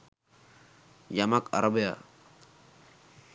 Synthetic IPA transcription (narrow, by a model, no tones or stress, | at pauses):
jamaka̰ɾabija̰